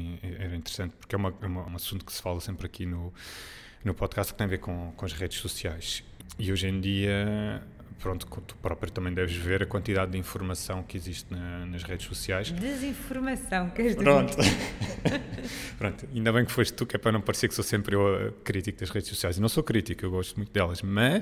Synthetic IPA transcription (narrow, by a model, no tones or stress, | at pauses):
ɛɛɾɐĩnt̪ɨɾsɐ̃nt̪̚pu̥ɾkɛumɐɛumɐũɐsũnt̪u̥ksɨ̥falˠɐsẽmpɾɐkʰinu | nupɔðkast̪kt̪ɐ̃j̃ɐveɾkõkõɐʒʁeðʃsusiajʃ | iojʒẽj̃d̪iɐ | pɾõnt̪u̥kõt̪u̥pɾɔpɾjɐt̪ɐmɐ̃j̃d̪ɛvʒveɾɐkwɐ̃nt̪iðaðd̪ĩfuɾmɐsɐ̃w̃kiziʃt̪nɐnɐʃʁeðʃsusiajʃd̪ɨzĩfuɾmɐsɐ̃w̃kɛʒppɾõnt̪u | pɾõnt̪uɐĩnd̪ɐβɐ̃j̃kfoʃt̪ukɛpɾɐnɐ̃w̃pɐɾseɾksosẽmpɾewkɾit̪ik̚ðɐʃʁeðʃsusiajʒzinɐ̃w̃sokɾit̪ikewɣɔʃt̪mũt̪̚d̪ɛlˠɐʃmɐʃ